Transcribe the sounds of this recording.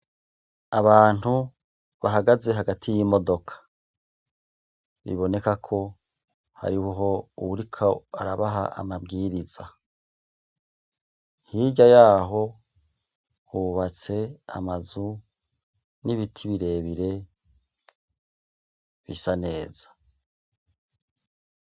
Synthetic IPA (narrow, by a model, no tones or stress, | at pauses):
aβaːn̥u | βaɦaɡaze̞ɦaɡatʰijimo̞do̞kʰḁ | βḭβo̞ne̞kakʰo̞ | ha̰ɾiwɦo̞uuɾikʰaa̰ɾaβaɦaʔa̰mabɡiːɾiza | hiːɟajaːɦo̞ | huβat͡se̞a̰mazu | niβitʰiβiɾe̞ːβiɾe̞ | βḭsane̞ːz̥ḁ